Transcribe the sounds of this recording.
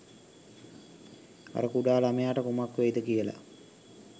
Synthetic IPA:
a̰ɾəkuɖaːlamejaːʈəkumakːʋejd̪əkijəla̰

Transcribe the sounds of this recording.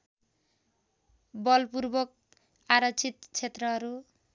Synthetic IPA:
bʌlpuɾbʌk̚ | aɾʌt͡sit̪t͡sʰet̪rʌɦʌɾu

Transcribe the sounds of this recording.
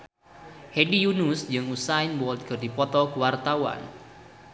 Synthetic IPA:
hedijunusd͡ʒɨŋusainwɔld̪̚kɨrdipɔt̪ɔkəwart̪awa̰n

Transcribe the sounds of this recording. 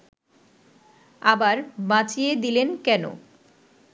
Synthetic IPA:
abaɾbãt͡ɕijed̪ilenkɛno̰

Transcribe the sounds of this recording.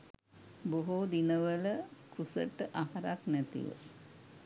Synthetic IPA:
boɦod̪inəʋələkʰusə̰ʈəʔaɦaɾaknæt̪ḭʋə̰

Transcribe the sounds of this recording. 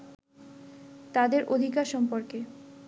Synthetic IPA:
t̪ad̪eɾʔod̪ʱikaɾʃɔmpoɾke

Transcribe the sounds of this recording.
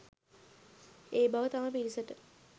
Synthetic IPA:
eːbaʋət̪aməpiɾisəʈə

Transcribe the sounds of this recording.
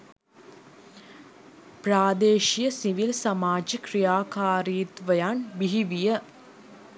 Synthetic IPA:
pɾaːd̪eːʃijəsiʋilsɐmaːd͡ʒikɾijaːkaːɾiːt̪ʋəjaːnbiɦiʋijə

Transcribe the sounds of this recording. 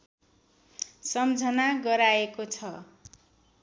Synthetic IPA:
sʌmd͡zʱʌnaɡʌɾaekot͡sʰʌ

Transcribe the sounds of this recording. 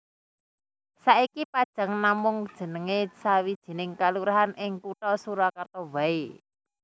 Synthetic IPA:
saʔikipad̥ʒ̥a̤ŋnamʊŋd̥ʒ̥ə̤nəŋesawid̥ʒ̥i̤nɪŋkaluɾaɦanɪŋkuʈɔsuɾakart̪ɔwae

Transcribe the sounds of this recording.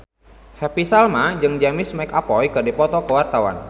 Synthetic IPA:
hɛpisalmad͡ʒɨŋd͡ʒamɪsmajkapɔjkɨrdipɔt̪ɔkəwart̪awa̰n

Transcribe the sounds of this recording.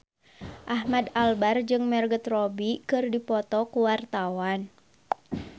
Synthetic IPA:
ʔaɦmadalbard͡ʒɨŋmɛrɡət̪rɔbikɨrdipɔt̪ɔkuwart̪awan

